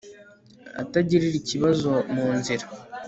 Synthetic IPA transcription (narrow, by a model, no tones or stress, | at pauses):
a̰taɟiɾiɾiciβazo̞muːnziɾa